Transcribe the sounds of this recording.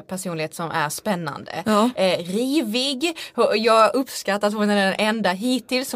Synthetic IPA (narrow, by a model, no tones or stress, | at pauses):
pʰæʂuːnlɪheːt̪sɔmʔæ̰ɾʂpɛnːa̰nd̪ə̰ | ɾiːvɪɡhɔjɑːɡɵpːskat̪ːaɾt̪hʊnaɾɛd̪ɛnʔɛnd̪aɦiːt̪ʰːɪls